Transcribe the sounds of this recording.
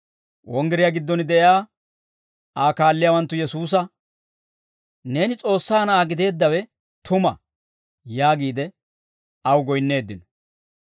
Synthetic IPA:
wɔŋɡɛɾɪjaɡɪd̪ːɔnɪd̪ɛʔjjaː | ʔaːkaːlːɪjawɐnt̪ːʊjɛsuːs̬ɐ | ne̞ːnɪt͡sʼo̞ːsːaːnɐːɡɪd̪e̞ːd̪ːɐwɛ | t̪ʊmɐ | jaːɡiːd̪ɛ | ɐwɡɔjnːe̞ːd̪ːɪnɔ̥

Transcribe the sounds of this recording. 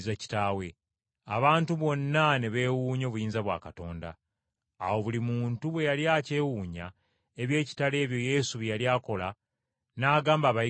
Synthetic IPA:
zaci̥tawe̞ | a̰βaːntuβo̞nːane̞βe̞ːwuːɲo̞βujiːnzaβwa̰ːkato̞ːnda̰ː | wo̞βulimuːntuβwe̞jaljaːce̞ːwuːɲa̰ | e̞βje̞ːci̥tale̞ːβjo̞je̞ːsuβjaljaːko̞la | naːɡaːmbaːβa

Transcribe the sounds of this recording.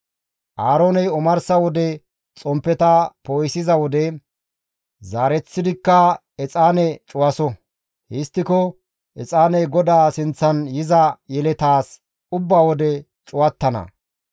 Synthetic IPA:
ʔaːɾoːnɛjɔmɐɾsɐwɔd̪ɛ | t͡sʼɔmpːɛt̪ɐpoːjsɪzɐwɔd̪ɛ | zaːɾɛt͡sːɪd̪ɪkːɐ | ɛt͡sʼaːnɛt͡ʃʼʊwɐsɔ | hɪst̪ːɪkɔ | ʔɛt͡sʼaːnɛjɡɔd̪aːsɪnt͡sːɐnjɪzɐjɛlɛt̪aːs | ʊbːaːwɔd̪ɛ | t͡ʃʼʊwɐt̪ːɐnɐ̰

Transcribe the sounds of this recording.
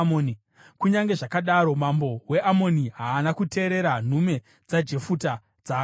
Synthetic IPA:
oni | kuɲaŋɡe̞ʐakaɗaɾo̞mambo̞we̞ʔamo̞niɦaːnakute̞ːɾe̞ɾan̤ume̞ | d͡zad͡ʒe̞futa | d͡zaː

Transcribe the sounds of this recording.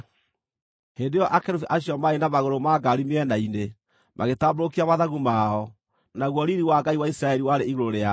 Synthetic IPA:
heːndejɔʔakeɾufiʔaɕiɔmaenamaɣoɾomaɡaɾimeɛnaine | mʔaɣetaːboɾokiamaðaɣumaɔ | naɣwɔɾiɾiwaɡaiwaisɾaɛɾiwaɾeiɣoɾoɾea

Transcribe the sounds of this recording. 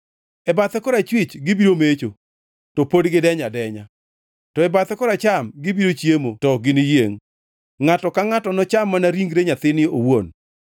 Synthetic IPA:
ɛbat̪ɛkɔɾat͡ʃwɪt͡ʃɡɪbiɾomet͡ʃo | tɔpodɡɪdɛɲadɛɲa | tɔɛbat̪ɛkɔɾat͡ʃamɡɪbiɾot͡ʃjemotɔɡɪnɪjeŋː | atɔkaŋatɔnɔt͡ʃamːanaɾiŋɡɾeɲat̪ɪnɪowon

